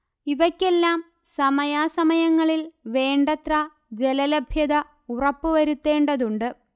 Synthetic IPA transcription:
iʋɐkʲːe̞lːaːm | sɐmɐjaːsɐmɐjɐŋːɐɭilʋe̞ːɳɖɐt̪rɐ | d͡ʑe̞lɐlebʱjɐðɐ | urɐpːɨʋɐɾut̪ːe̞ːɳɖɐðuɳɖɨ

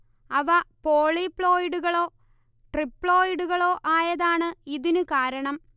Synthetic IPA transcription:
ɐʋɐpoːɭipːɭo̞ːjiɽuɣɐɭo̞ː | ʈripːɭo̞ːjiɽuɣɐɭo̞ːʔaːjɐðaːɳɨiðinɨkaːɾɐɳɐm

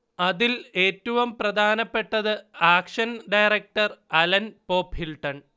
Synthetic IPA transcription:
ɐðile̞ːtːuʋumprɐd̪ʱaːnɐpːe̞ʈːɐðɨaːkʂɐnɖɐjrɐk̚ʈɐrɐlɐnpo̞ːphilʈɐn

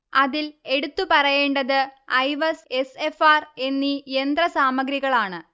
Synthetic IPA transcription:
ɐðile̞ɽut̪ːupɐrɐjeːɳɖɐðɨɐjʋɐse̞se̞faːre̞nːiend̪rɐsaːmɐɡɾiɣɐɭaːɳɨ

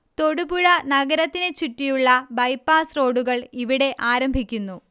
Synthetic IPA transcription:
t̪o̞ɽubuɻɐnɐɣɐɾɐt̪ːine̞t͡ɕutːijuɭːɐbɐjpːaːsro̞ːɽuɣɐɭiʋiɽe̞ʔaːɾɐmbʱikʲːunːu

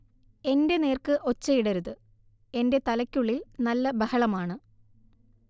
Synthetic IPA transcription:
e̞nde̞ne̞ːrkɨʔo̞t͡ɕːɐjiɽɐɾuðɨ | e̞nde̞t̪ɐlɐkʲːuɭːilnɐlːɐbɐhɐɭɐmaːɳɨ

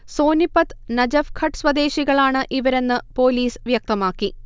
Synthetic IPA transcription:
so̞ːnipːɐt̪nɐd͡ʑɐfkʰɐʈsʋɐd̪e̞ːɕiɣɐɭaːɳɨʔiʋɐɾe̞nːɨpo̞ːliːsʋjɐk̚t̪ɐmaːkːi

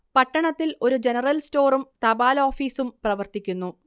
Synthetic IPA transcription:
pɐʈːɐɳɐt̪ːilo̞ɾud͡ʑenɐrɐlsto̞ːrumt̪ɐbaːlo̞ːfiːsumprɐʋɐrt̪ikʲːunːu

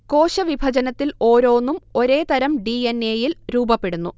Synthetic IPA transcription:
ko̞ːɕɐʋibʱɐd͡ʑɐnɐt̪ːilo̞ːɾo̞ːnːumo̞ɾe̞ːt̪ɐɾɐmɖiene̞ːjilɾuːbɐpːe̞ɽunːu

